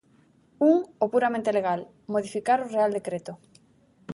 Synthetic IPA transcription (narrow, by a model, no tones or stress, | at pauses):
uŋopuɾamẽnt̪eleɣ̞al | moð̞ifikaɾoreald̪ekɾet̪ʊ